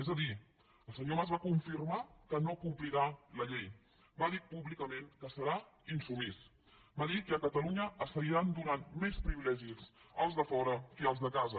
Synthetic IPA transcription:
ezəði | əlˠsəɲomazβakuɱfirmakənokumpliɾaləʎej | baðipuβlikəmenkəsəɾa | insuβis | baðikəkət̪əluɲəəst̪əɣiɾand̪unanmespɾiβilɛʒisəlˠzðəfɔɾəiəlˠzðəkazə

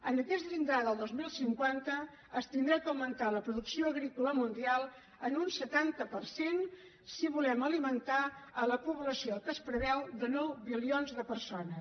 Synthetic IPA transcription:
ənəkɛst̪ʎind̪ɾaðəlˠd̪ozmilˠsiŋkwant̪əː | st̪ind̪ɾɛkəwmənt̪aləpɾuðuksioəɣɾikuləmund̪ialˠ | ənunsət̪ant̪əpərsen | siβulɛməlimənt̪aələpuβləsiokəspɾəβɛwd̪ənɔwβilionzðəpəɾsonə

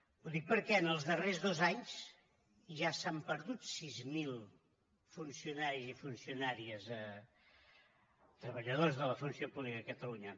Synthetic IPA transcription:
uðik̚pəɾkɛənəlˠzðərezðozaɲs | ʒasampəɾðut̪sizmilˠ | funsiunaɾizifunsiunaɾiəzə | t̪ɾəβəʎəðozðələfunsiopuβlikəəkət̪əluɲə

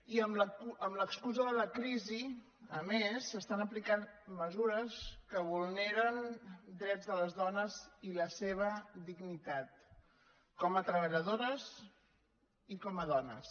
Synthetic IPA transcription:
iəmləəmləkskuzoðələkɾizi | əmesəst̪anəplikanməzuɾəskəβulˠneɾənd̪ɾɛd͡zðələzðɔnəziləseβ̞əd̪iɡnit̪at̪̚ | kɔmət̪ɾəβəʎəðoɾəz | ikɔməðɔnə̰s

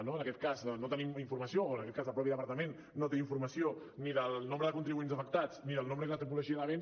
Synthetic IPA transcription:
noənɐkɛt̪̚kaznot̪ənimiɱfuɾmɐsiooənəkɛt̪̚kazðəlˠpɾɔpiəðəpɐɾt̪əmẽnːot̪eiɱfuɾməsio | niðəlˠnombɾəðəkunt̪ɾiβuenzəfək̚t̪at͡sniðəlˠnõmbɾəkələt̪ɾip̬uluʒiəðəβen

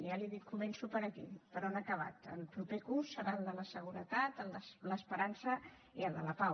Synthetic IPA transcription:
jaliðitkumɛnsupəɾəkḭpəɾɔnakəβ̞a̰t̪ə̰lpɾupekusːəɾalˠd̪ələsəɣ̞uɾət̪at̪ənələspəɾansə | iəlˠd̪ələpaw

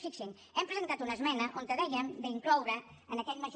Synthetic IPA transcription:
fikʃeŋ | ɛmpɾezent̪at̪unɐzmɛnɐʔont̪əðɛjɐmd̪eiŋklowɾɐː | nɐkɛʎmɐʒ

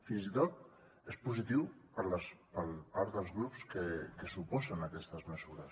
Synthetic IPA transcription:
finzit̪ot̪̚ | espuzit̪iwpəɾləspəlpaɾd̪əlˠzɣɾupskəkəsupɔzənəkɛst̪əzməzuɾəs

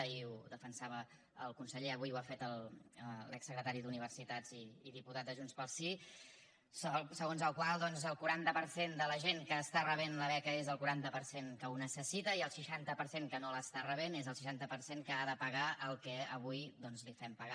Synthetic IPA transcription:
iuðəfənsaβə | əlˠkunsəʎeəβujuafet̪əlˠəlɛksːəkɾət̪aɾiðuniβ̞ərsit̪ad͡ziːðiput̪at̪̚d̪əʒunspəlˠsi | ssəɣonzəlˠkwalˠd̪ɔnzəlˠkuɾant̪əpəɾsend̪ələʒeŋkəːst̪arəβ̞enləβɛkəezəlˠkuɾant̪əpəɾseŋkəunəsəsit̪əiəlˠsəʃant̪əpəɾseŋkənoləst̪arəβ̞enezəlˠʃi̥ʃant̪əpəɾseŋkəaðəpəɣaəlˠkɛəβujd̪ɔnzlifɛmpəɣa

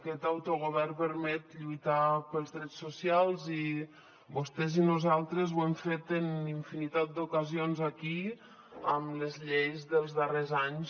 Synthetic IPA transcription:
kɛt̪awt̪oɣ̞uβɛrpəɾmɛt̪ʎujt̪apəlˠzðɾɛt͡ssːusialˠzi | bust̪ɛzinuzalˠt̪ɾəzwɛmfet̪əniɱfinit̪at̪̚d̪ukəzionzaki | əmləzʎejzðəlˠzðərezaɲs

